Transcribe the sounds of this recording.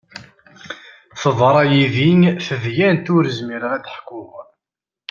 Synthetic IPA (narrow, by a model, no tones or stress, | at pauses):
θəðˤɾˤɑjiðinfəðjænt̪ʊɾəzmiɾʁæd̪əħkːʊʁ